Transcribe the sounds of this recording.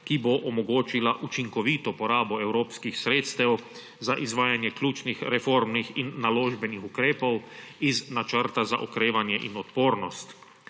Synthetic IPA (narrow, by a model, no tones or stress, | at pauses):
kiboʔɔmɔɡoːt͡ʃilaʔut͡ʃiŋkɔʋiːt̪ɔpɔɾaːbɔɛwɾoːpskixsɾeːt̪st̪ɛw | zaʔizʋaːjanjɛkljuːt͡ʃnixɾɛfoːɾmnixinːaloːʒbɛnixukɾeːpɔwiznat͡ʃəɾt̪aza̰ʔɔkɾeːʋanjɛʔḭnɔt̪poːɾnɔst̪